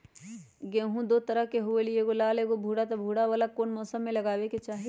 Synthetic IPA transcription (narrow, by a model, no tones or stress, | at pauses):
ɡẽːɦũd̪oːt̪ɐɾəɦkeɦʊelieɡolaːleɡobʱuːɽat̪ɐbʱuːɽaʋaːlakoːnmɔːsəmːẽlɐɡaːweket͡ʃaːɦi